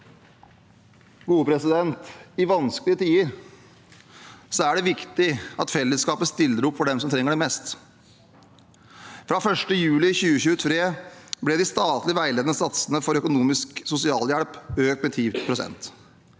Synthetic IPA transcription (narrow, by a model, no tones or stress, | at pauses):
ɡuːəpʰɾɛsɪd̪ɛnt̪ɪʋɑnskəlɪət̪ʰiːəɾ | sɔæɖɛʋɪkt̪ɪɑt̪fɛlːəskɑːpəst̪ɪlːəɾʊpːfɔɖɛmsɔmt̪ʰɾɛŋːəɖɛmɛst̪ | fɾɑfœʂʈəjʉːlɪçʉːəçʉːət̪ʰɾeːblɛd̪ɪst̪ɑːt̪lɪʋæɪleːd̪nəsɑt̪sənəfɔɾœkʊnuːmɪsksʊsɪɑːljæɽpøːkt̪mɛt̪ʰiːpʰɾʊsɛ̰nt̪